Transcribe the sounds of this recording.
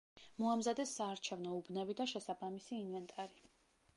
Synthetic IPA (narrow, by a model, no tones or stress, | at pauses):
mɔamzad̪ɛsːaːɾt͡ʃʰɛvnɔubnɛbid̪aʃɛsabamisiːnvɛnt̪ʼaɾi